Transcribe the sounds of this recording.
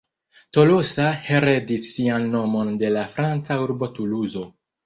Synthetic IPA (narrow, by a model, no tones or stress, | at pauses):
to̞losahe̞ɾe̞disːianːo̞mo̞nde̞lafɾant͡sauɾbo̞tuluzo̞